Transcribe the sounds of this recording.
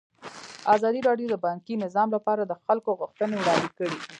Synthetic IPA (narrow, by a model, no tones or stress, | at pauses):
azɑd̪iɾɑɖjod̪əbɑŋkinɪzɑmlapɑɾad̪əxalkoɣuxt̪ənewɽɑnd̪ikəɽi